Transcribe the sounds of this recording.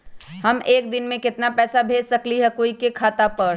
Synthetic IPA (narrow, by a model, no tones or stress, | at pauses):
hɐmeːk̚d̪ɪnmẽkɪt̪napɛːsabʱeːd͡ʒsɐkliɦɛkoːikekʰaːt̪apɐɾ